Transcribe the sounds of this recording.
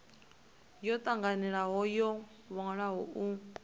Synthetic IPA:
jɔt̪ʼaŋɡaniɺaɦɔjɔ | βɔŋaɺaɦɔʔu

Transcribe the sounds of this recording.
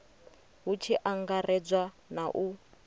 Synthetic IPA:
ɦut͡ʃʰiʔaŋɡarɛd͡zwa | naʔu

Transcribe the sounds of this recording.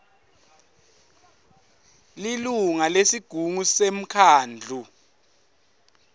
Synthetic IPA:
liluŋalesiɡ̥ʱuŋusem̩kʰaːnd͡ɮʱu

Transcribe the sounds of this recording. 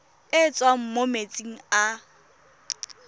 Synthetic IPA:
ɪt͡sʼwam̩momet͡sʼiŋ̩a

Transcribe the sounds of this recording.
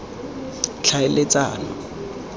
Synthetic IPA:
t͡ɬʰaɪlet͡sʼa̰ːnɔ

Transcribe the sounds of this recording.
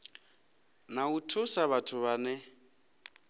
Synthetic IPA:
nautʰusaβatʰʊβanɛ

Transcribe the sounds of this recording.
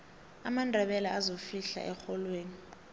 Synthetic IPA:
amandʱɛɓɛlaazofiɬa̰ʔɛxɔlweːni

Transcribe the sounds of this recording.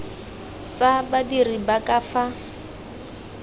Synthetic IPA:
t͡sabadiribakʼafa

